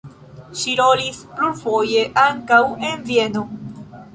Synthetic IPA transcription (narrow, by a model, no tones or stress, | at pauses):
ʃiɾo̞lispluɾfo̞je̞ʔaŋkawe̞nvie̞no